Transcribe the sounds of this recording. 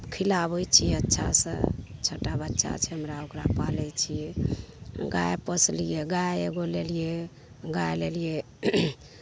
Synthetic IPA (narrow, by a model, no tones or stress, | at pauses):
kʰilabəjt͡ʃʰijɛətːʃʰa̰sə̰̃t͡ʃʰəʈabətːʃʰa̰t͡ʃʰɛɦəmɾaokɾapalɛjt͡ʃʰijɛ | ɡa̰epəslijeɡajeɡolelije | ɡaelelije